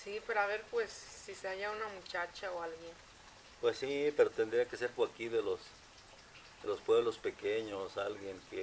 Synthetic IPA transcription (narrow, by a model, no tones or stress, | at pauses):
sipeɾoaβeɾpwesːiseaʝaunamut͡ʃat͡ʃaoalɣjen | pwesːipeɾot̪end̪ɾiakeseɾpoakiðelos | d̪elospwe̞βlospekeɲosalɣjeŋke